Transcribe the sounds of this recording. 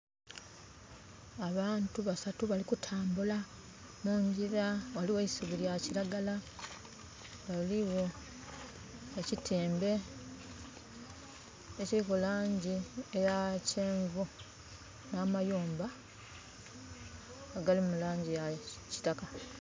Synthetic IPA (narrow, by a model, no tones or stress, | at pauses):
aβaːntuβasatuβalikutʰaːmbula | muːɲɟiɾawaliweisiβuljaciɾaɡala | ɡaliwo̞ | ecitʰiːmbe̞ | ecikulaːɲɟiejaceːɱvu | naːmajuːmba | aɡalimulaːɲɟijaci̥taka